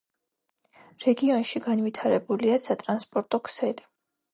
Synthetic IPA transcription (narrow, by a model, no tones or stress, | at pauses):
ɾɛɡiɔnʃiɡanvit̪ʰaɾɛbuliasat̪ʼɾanspʼɔɾt̪ʼɔkʰsɛd̪i